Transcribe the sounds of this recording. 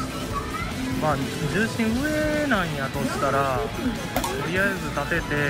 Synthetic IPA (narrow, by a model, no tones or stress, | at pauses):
maːd͡ʑɨːɕĩɰ̃ɯ̟enãɲ̃jat̪o̞ɕi̥t̪aɾa | t̪oɾʲijaezɨt̪at̪e̞t̪e̞